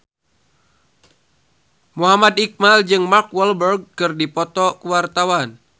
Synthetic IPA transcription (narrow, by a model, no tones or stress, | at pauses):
muɦamadik̚mald͡ʒɨŋmakwɛlbərɡ̚kɨrdipɔt̪ɔkuwart̪awan